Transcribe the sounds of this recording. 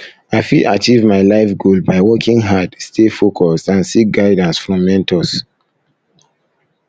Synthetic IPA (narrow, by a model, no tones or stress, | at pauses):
aɪfilat͡ʃivmaɪlaɪfɡolbaɪwɔkʰĩŋɦadstʰefokʰɔstãnsik̚ɡaɪdãnsfɹɔ̃mːɛ̃ntʰɔs